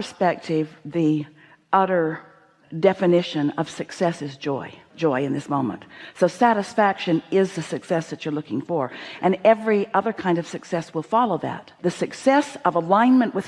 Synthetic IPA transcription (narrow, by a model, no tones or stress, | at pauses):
ə˞spɛk̚tʰɪvði | ʔʌɾə˞ | dɛfɨnɪʃɨ̃nʌv̥sɨksɛsɨzd͡ʒɔɪd͡ʒɔɪɨ̃nðɪsmõʊ̃mə̰̃ntsoʊsæɾɨsfækʃɨ̃nɪzðɨsɨksɛsðɨt͡ʃə˞lʊkɪ̃ŋfə˞ʔɨ̃nɛvɹiʔʌðə˞kʰãɪ̃ndʌv̥sɨksɛswəlˠfɑlˠoʊðɨ̰t̪̚ðɨsɨksɛsʌvəlãɪ̃nmɨ̃nʔwʔɨð̥